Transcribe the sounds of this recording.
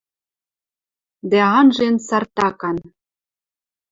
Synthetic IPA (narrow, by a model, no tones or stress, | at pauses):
d̪æɑnʒensɑrt̪ɑkɑn